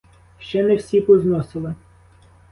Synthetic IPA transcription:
ʃt͡ʃɛnɛwsʲipɔznɔsɪlˠɪ

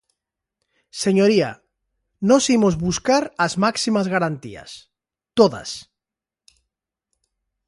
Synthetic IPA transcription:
seɲoɾia̰ | nosimozβuskaɾazmaksimazɣaɾant̪ḭa̰s | t̪oða̰s

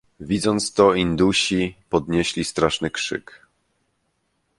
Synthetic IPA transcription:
vʲid̪zɔnt̪st̪ɔind̪uɕipɔd̪ɲeɕlʲist̪ɾaʂnɘkʂɘ̰k

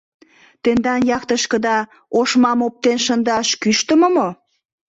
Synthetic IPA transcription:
t̪end̪ɑnjɑkt̪əʃkəd̪ɑ | oʃmɑmop̚t̪enʃənd̪ɑʃkyʃt̪əməmo

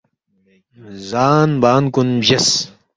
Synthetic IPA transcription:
zaːnbaːnkunʑɐs

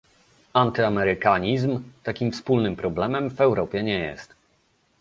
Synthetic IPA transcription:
ant̪ɘamɛɾɘkaɲizmt̪akʲimfspulnɘmpɾɔblɛmɛmvɛwɾʔɔpʲjɛɲɛjɛ̰st̪

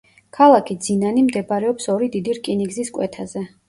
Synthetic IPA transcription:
kʰalˠakʰid̪zinanimd̪ɛbaɾɛɔpsɔɾid̪id̪iɾkʼiniɡziskʼwɛt̪ʰazɛ

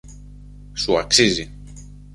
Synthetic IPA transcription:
suaksizi

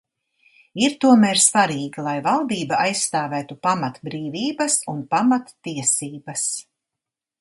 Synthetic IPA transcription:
iɾt̪uɔmæːɾsvaɾiːɡalˠajvalˠd̪iːbaajsːt̪aːvæːt̪upamat̪bɾiːviːbɐsunpamat̪ːiɛsiːbɐs

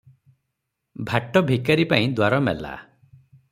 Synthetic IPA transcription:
bʱaʈɔbʱikaɾipaĩd̪waɾɔmɛ̰la̰

